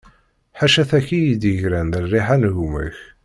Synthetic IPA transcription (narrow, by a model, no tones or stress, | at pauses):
ħaʃæθæçijid̪əʝɾænðərːiħanɣumə̰ç